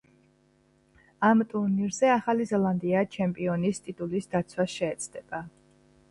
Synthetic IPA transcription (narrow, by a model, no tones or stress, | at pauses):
amt̪ʼuɾniɾzɛaχalizɛlˠand̪iat͡ʃʰɛmpʼiɔnist̪ʼit̪ʼulisd̪at̪sʰwasʃɛːt̪sʰʼd̪ɛb̥a